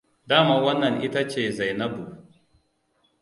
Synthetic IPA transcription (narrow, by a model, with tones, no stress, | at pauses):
daː˦maː˨wɐ˦nːɐ˨ŋʔɪ˦ta˦t͡ʃeː˦˨za˨jnɐ˦bu˨